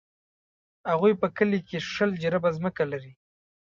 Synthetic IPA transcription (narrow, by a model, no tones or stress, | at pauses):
haɣujpəkəlikeʂəld͡ʒaɾabazməkalaɾi